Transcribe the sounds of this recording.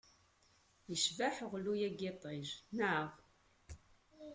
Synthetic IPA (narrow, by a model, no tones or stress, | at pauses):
jəʃvaħʁlujæɡɪt̪ˤiʒnaʁ